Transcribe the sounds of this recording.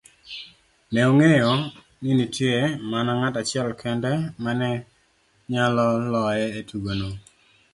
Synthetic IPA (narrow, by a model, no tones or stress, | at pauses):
nɛoŋejɔ | ninitjemanɔŋatat͡ʃɪɛlkʰɛndɛmanɛ | ɲalɔlɔjɛetuɡono